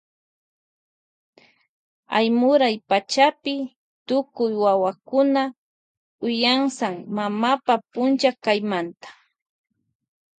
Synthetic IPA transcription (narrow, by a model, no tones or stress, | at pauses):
a̰jmʊɾajpat͡ʃapɪ | t̪ʊkʊjwawakʊna | ʊjaŋsaŋmamapapʊnt͡ʃakajmant̪ḁ